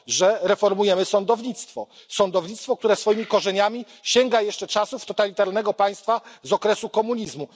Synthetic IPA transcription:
ʐɛɾɛfɔɾmujɛmɘsɔnd̪ɔvɲit̪st̪fɔsɔnd̪ɔvɲit̪st̪fɔk̚t̪uɾɛsfɔjimʲikɔʐɛɲamʲi | ɕɛŋɡajɛʂt͡ʂɛt͡ʂasuft̪ɔt̪alʲit̪aɾnɛɡɔpaj̃st̪fazɔkɾɛsukɔmuɲizmu

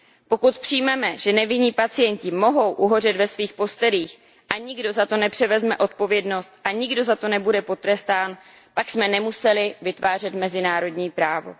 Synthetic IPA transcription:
po̞kut̪pr̝̥ijmɛmɛʒɛnɛvɪɲiːpat͡sɪjɛɲcɪmo̞ɦo̞wʔuɦo̞r̝ɛt̪vɛsviːxpo̞st̪ɛliːx | ʔaɲɪɡdo̞zat̪o̞nɛpr̝̥ɛvɛzmɛʔo̞t̪̚po̞vjɛdno̞st̪ʔaɲɪɡdo̞zat̪o̞nɛbudɛpo̞t̪ɾɛst̪aːn | paksmɛnɛmusɛlɪvɪt̪vaːr̝ɛt̪mɛzɪnaːɾo̞dɲiːpɾaːvo̞̰

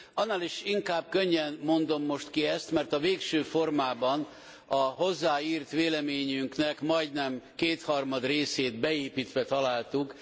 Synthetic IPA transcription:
ɒnːaːliʃiŋkaːb̚køɲːɛnmːo̞nd̪o̞mːo̞ʃt̪kiɛst̪mɛrt̪ɒveːkʃøːfo̞rmaːbɒn | ɒɦo̞zːaːiːrt̪ʋeːlɛmeːɲyŋknɛkmɒjd̪nɛmkeːt̪hɒrmɒd̪reːseːd̪bɛeːpit̪ʋɛt̪ɒlaːlt̪uk

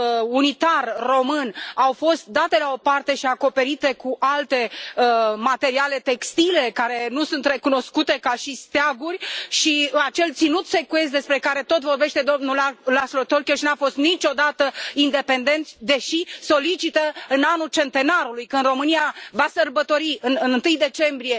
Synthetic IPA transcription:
unit̪arːo̞mɨnawfo̞st̪̚d̪at̪e̞lao̞part̪e̞ʃiako̞pe̞ɾit̪e̞kuʔalt̪e̞ | mat̪e̞ɾiale̞t̪e̞kst̪ile̞kaɾe̞nusunt̪re̞kuno̞skut̪e̞kaʃist̪eaɡurʲʃiat͡ʃe̞lt̪sinut̪se̞kues̬d̪e̞spɾe̞kaɾe̞t̪o̞t̪vo̞rbe̞ʃt̪e̞d̪o̞mnulalaslot̪olkʲoʃinafo̞st̪nit͡ʃʲo̞d̪at̪əind̪e̞pe̞nd̪e̞nt̪sʲd̪e̞ʃiso̞lit͡ʃit̪əɨnanult͡ʃe̞nt̪e̞naɾulujkɨnd̪ro̞mɨniavasərbət̪o̞ɾiɨnɨnɨnt̪ɨjd̪e̞t͡ʃe̞mbɾije̞

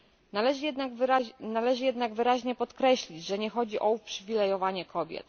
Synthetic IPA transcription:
nalɛʐɛaanalɛʐɘjɛd̪naɡvɘɾaʑɲɛpɔt̪kɾɛɕlʲid͡ʑʐɛɲɛxɔd͡ʑiʔɔupʂɘvʲilɛjɔvaɲɛkʰɔbʲjɛ̰t̪

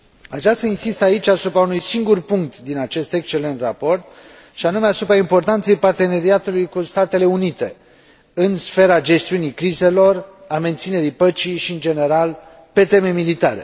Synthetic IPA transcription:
at͡ʃast̪ainsist̪ait͡ʃʲasupɾaunujsiŋɡurpuŋk̚t̪d̪inat͡ʃe̞st̪e̞kst͡ʃe̞le̞nt̪rapo̞rt̪̚ | ʃianume̞asupɾaimpo̞rt̪ant̪se̞jpart̪e̞ne̞ɾiat̪ulujkust̪at̪e̞le̞unit̪e̞̰ | ɨnsfe̞ɾad͡ʒe̞st̪iunikɾize̞lo̞r | ame̞nt̪sine̞ɾipət͡ʃiʃiɨnd͡ʒe̞ne̞ɾal | pe̞t̪e̞me̞milit̪a̰ɾe̞̰

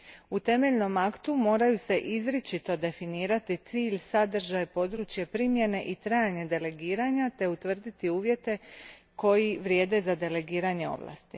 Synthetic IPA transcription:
ut̪e̞me̞ʎno̞makt̪umo̞ːɾajuse̞ʔizɾit͡ʃit̪o̞d̪e̞finiːɾat̪it̪siːʎsad̪r̩ʒajpo̞d̪ɾut͡ʃje̞pɾimje̞ne̞ʔit̪ɾajaɲe̞d̪e̞le̞ɡiːɾaɲat̪e̞ut̪ʋr̩d̪it̪iuːʋje̞t̪e̞ | ko̞jiʋɾʲje̞ːd̪e̞zad̪e̞le̞ɡiːɾaɲe̞o̞̰ʋlˠa̰ːst̪i

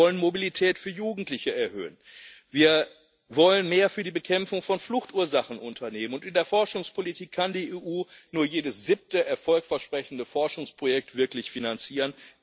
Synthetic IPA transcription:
ɔlənmobilitʰɛːtfyːɐjuːɡŋ̩tlɪçəɛɐhø̰ːənviːɐ | vɔlənmeːɐfyːɐdiːbəkʰɛmfʊŋfɔnflʊxtuːɐzaχn̩ʔʊntʰɐneːmənʊntɪndeːɐfɔɐʃʊŋspʰolitʰiːkʰːandiːeːʔuːnuːɐjeːdəsz̥ɪp̚təʔɛɐfɔlkfɛɐʃpʁ̥ɛçn̩dəfɔɐʃʊŋspʁ̥ojɛk̚tv̥ɪɐklɪçfinant͡siːʁən

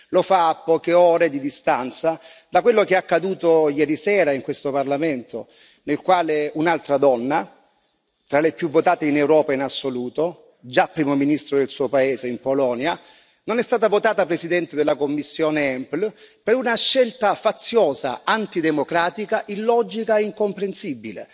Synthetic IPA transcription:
lofaːpːɔːkeɔːɾed̪id̪ist̪ant̪sad̪akwelːokeakːad̪uːt̪ojɛːɾisɛːɾaiŋkwest̪oparlament̪o | nelkwaːleunalt̪ɾad̪ɔnːa | t̪ɾalepjuvːot̪aːt̪einɛwɾɔːpainasːoluːt̪o | d͡ʒapːɾiːmominist̪ɾod̪elsuːopaeːzeimpolɔːnja | nonɛst̪aːt̪avot̪aːt̪apɾesid̪ɛnt̪ed̪elːakomːisːjɔːneɛmplpeɾunaʃːɛlt̪afat̪sːjɔːza̰ant̪id̪emokɾaːt̪ikaʔilːɔːd͡ʒikaeiŋkompɾensibːilḛ

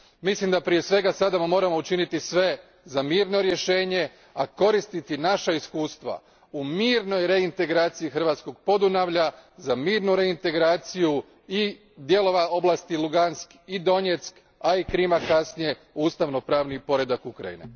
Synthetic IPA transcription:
mislimd̪apɾije̞sʋe̞ɡasad̪ammo̞ːɾamo̞ut͡ʃinit̪isʋe̞ | zamiːɾno̞ɾje̞ʃe̞ːɲe̞ | ako̞ɾist̪it̪inaʃaiskuːst̪ʋa̰ | umiːɾno̞jɾe̞int̪e̞ɡɾaːt̪sijixr̩ʋaːt̪sko̞ɡ̚po̞d̪unaʋʎazamiːɾnuɾe̞int̪e̞ɡɾaːt̪siju | i | d̪je̞lo̞ʋao̞blast̪iluɡansk | id̪o̞ɲe̞t̪sk | aikɾimakasnije̞ | uːst̪aʋno̞pɾaːʋnipo̞ɾe̞d̪akukɾa̰jḭnḛ

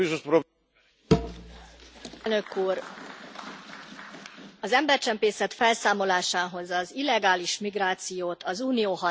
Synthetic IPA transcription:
iʃoʃpɾo | lnø̞kuːr | ɒzɛmbɛrt͡ʃɛmpeːsɛt̪fɛlsaːmo̞laːʃaːɦo̞zɒzilːɛɡaːliʃmiɡraːt̪sijoːt̪ʰɒzuːnijoːhɒ

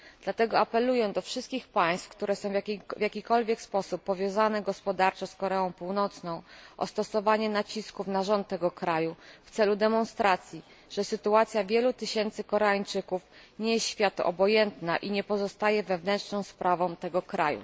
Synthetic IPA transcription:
d̥̪lat̪ɛɡɔapɛlujɛd̪ɔfʂɘst̪̚kʲixpaj̃st̪fkt̪uɾɛsɔ̃w̃vʲvʲjakʲikɔlvʲjɛkspɔsupːɔvʲjɔ̃w̃zanɛɡɔspɔd̪aɾt͡ʂɛskɔɾɛɔ̃w̃puwnɔt̪snɔ̃w̃ʔɔ̰st̪ɔsɔvaɲɛnat͡ɕiskufnaʐɔnt̪ːɛɡɔkɾajuft̪sɛlud̪ɛmɔnst̪ɾat̪sʲji | ʐ̥ɛsɘt̪uat̪sʲjavʲjɛlut̪ɘɕɛnt̪sɘkɔɾɛaɲt͡ʂɘkufɲɛjɛsɕfʲjat̪ɔ̰bɔjɛnt̪na̰ʔiɲɛpɔzɔst̪ajɛvɛvnɛnt͡ʂnɔ̃w̃spɾʔavɔ̃w̃t̪ɛɡɔkɾa̰jṵ

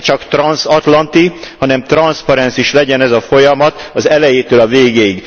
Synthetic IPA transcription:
t͡ʃɒkt̪rɒnsɒt̪lɒnt̪ihɒnɛmt̪rɒnspɒɾɛnsiʃlɛɟɛnɛzɒfo̞jɒmɒt̪ɒzɛlɛjeːt̪øːlɒveːɡeːiɡ

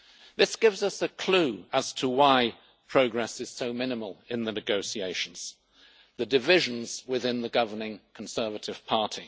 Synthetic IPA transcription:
ðɪsɡ̥ɪvzʌsɨkʰl̥ʉəz̥tʰəwaɪ | pʰɹ̥oʊɡɹɛsɨz̥soʊmɪ̃nɨməlˠɪ̃nðɨnɨɡoʊsieɪʃn̩z̥ | ðɨdɨvɪʒɨ̃nz̥wɪðɪ̃nðəɡʌvənɪ̃ŋkʰn̩sɜ˞vɨɾɨv̥pʰɑˑɹɾʰi

